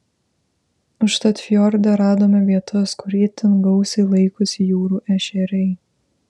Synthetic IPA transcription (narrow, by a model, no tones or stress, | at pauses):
ʊʃt̪ɐt̪ʲfʲjɔɾʲd̪ʲɛɾɑːd̪oːmʲɛʋʲiɛt̪ʰɐskʊɾʲiːt̪ʲɪnɡɐʊsʲɛɪlˠɐɪkʊsʲɪjuːɾuːʔɛʃʲɛɾʲɛɪ